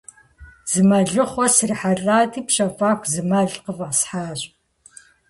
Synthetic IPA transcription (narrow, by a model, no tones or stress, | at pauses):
z̥ɨmɐɮɨχʷɔsɨriħaɮʼaːtʰiːpɕɐfʼaːxʷzɨmɐɮqəvɐsħaːɕʼ